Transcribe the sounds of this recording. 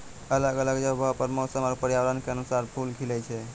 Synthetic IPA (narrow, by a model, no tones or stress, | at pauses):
ələɡələɡd͡ʒəbʱəpəɾmosəmapəɾjawɾənkeənusaɾpʰulkʰilɛt͡ʃʰɛ